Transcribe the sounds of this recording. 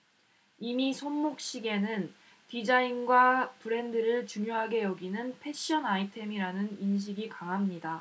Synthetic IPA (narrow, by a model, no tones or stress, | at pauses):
imisʰonmok̚ɕ͈iɡe̞nɯn | tid͡ʑainɡwapɯɾe̞ndɯɾɯɭt͡ɕuŋjoɦaɡe̞jʌɡinɯnpʰe̞ɕ͈iʌnaitʰe̞miɾanɯninɕ̬ʰiɡikaŋɦamɲida